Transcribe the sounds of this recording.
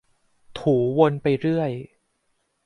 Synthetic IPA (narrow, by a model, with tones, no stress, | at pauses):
t̪ʰuː˩˦wo˧npa˧jɾɯ˥˩əj